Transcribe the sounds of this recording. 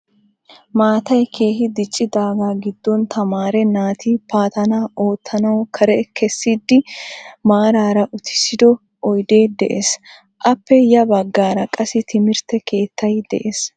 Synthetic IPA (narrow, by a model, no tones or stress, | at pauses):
maːt̪ɐjkʰe̞ːɦɪd̪ɪt͡ʃʼːɪd̪aːɡaːɡɪd̪ːɔnt̪ʰɐmaːɾɛnaːt̪ipaːt̪ɐnaːʔo̞ːt̪ʰːɐnɐwkʰɐɾɛkʰɛsːid̪ːɪmaːɾaːɾɐʔʊt̪ɪ̥sɪd̪ɔ | ʔɔjd̪e̞ːd̪ɛʔes | ʔɐpːɛjɐbɐɡːaːɾɐkʼɐsɪt̪ʰɪmɪɾt̪ɛkʰe̞ːt̪ːɐjd̪ɛ̰ʔes